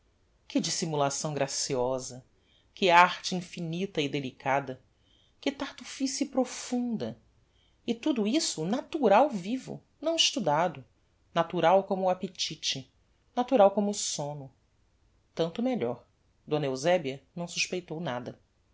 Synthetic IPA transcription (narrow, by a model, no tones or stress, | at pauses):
kɪd͡ʒisimulasɐ̃w̃ɡɾasiɔzɐ | kɪaɾt͡ʃɪĩfinit̪ɐɪd̪elikad̪ɐ | kɪt̪aɾt̪ufisiipɾofũnd̪ɐ | ɪt̪ud̪ʊisʊnat̪uɾawvivʊ̰ | nɐ̃w̃iʃt̪ud̪ad̪ʊ | nat̪uɾawkõmʊapet͡ʃit͡ʃɪ | nat̪uɾawkõmʊsõnʊ | t̪ɐ̃nt̪ʊmeʎɔɾ | d̪õnɐewzɛbiɐnɐ̃w̃suʃpejt̪ownad̪ɐ